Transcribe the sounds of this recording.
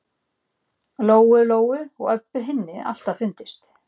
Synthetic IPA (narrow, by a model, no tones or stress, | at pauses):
loːwʏloːwʏɔ̰ɣœpvʏɦɪnːɪa̰l̥t̪afʏnt̪ɪst̪